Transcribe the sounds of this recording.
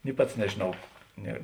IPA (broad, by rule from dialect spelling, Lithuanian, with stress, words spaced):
nʲɪ ˈpɐts nʲɛʒʲeːˈnɐʊ ˈnʲɛ